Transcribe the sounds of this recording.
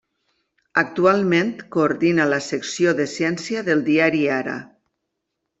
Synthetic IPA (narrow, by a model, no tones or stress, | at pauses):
ak̚t̪ualˠmẽnt̪koːɾðinalaseksjoðesjɛnsjaðelˠd̪iaɾiaɾa̰